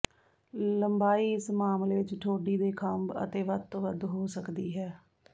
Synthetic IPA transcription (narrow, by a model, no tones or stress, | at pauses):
ləmbaːiːɪsmaːmleːʋɪt͡ʃʈʰoːɖiːd̪eːkʰəmbə̰t̪eːʋəd̪t̪õːʋəd̪ɦoːsəkd̪iːɦɛː